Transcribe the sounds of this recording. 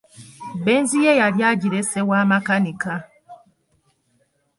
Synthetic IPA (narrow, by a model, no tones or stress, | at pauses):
bɛnzijɛjaljaɟiɾesɛwamakanika